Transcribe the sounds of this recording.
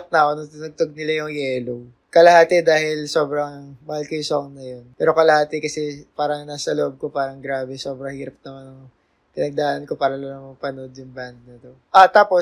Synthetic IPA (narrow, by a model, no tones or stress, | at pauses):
t̪̚nɐʔonot̪ɪnʊɡ̚t̪oɡ̚nɪlajʊŋjɛːlow | kɐlɐhaːt̪ɛd̪aːhɪlso̞ːbɾɐŋmɐhɐlkɪjsoŋnɐjo̞npɛːɾo̞kɐlɐhaːt̪ɛkɐsɛpaːɾɐŋnaːsɐloʔob̚ko̞paːɾɐŋɡɾaːbɛso̞ːbɾɐŋhiːɾɐp̚nɐmanɐŋ | kɪnɐɡ̚d̪ɐaːnɐnko̞paːɾɐlonɐmɐpɐno̞d̪jʊŋband̪̚nɐt̪o̞ʔat̪aːpo̞